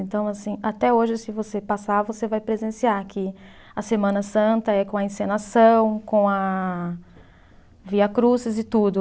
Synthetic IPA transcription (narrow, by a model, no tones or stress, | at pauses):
ẽnt̪ɐ̃w̃asĩat̪ɛoʒɪsɪvosepasavosevajpɾezẽsiaɾakɪ | ɐsemɐ̃nɐsɐ̃nt̪ɐɛkõɐẽsẽnasɐ̃w̃kõw̃ɐ | viɐkɾuzɪzɪt̪ud̪ʊ